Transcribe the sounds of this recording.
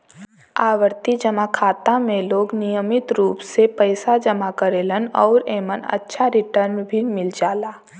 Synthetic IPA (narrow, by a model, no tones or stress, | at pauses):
aːʋəɾt̪id͡ʒəmakʰaːt̪ãmẽloːɡnijəmɪt̪ɾuːpsepəɪsad͡ʒəmakəɾeːlənɔːɾeːmənɐ̰tːʃʰaɾɪʈəɾnbʱimɪld͡ʒaːlaː